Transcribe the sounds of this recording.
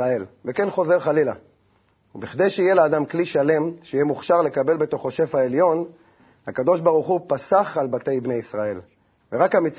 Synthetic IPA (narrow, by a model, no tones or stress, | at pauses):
ae̞lveke̞nχo̞ze̞ʁχalila̰ | ubiχd̪ejʃeijelaːd̪amkliʃale̞mʃejemuχʃaʁle̞kabe̞lbe̞t̪o̞χoʃe̞fhaeljo̞n | hakad̪o̞ʃbaʁuχupasaχalbat̪e̞jbne̞jisʁae̞l | veʁakamit͡s